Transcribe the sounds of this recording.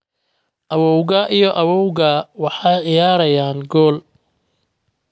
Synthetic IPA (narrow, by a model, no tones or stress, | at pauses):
ʔɐwɔwɣɐʔijɔʔɐwɔwɣɐwɑħɑjʕɪjaːɾɐjaːŋɡɔːl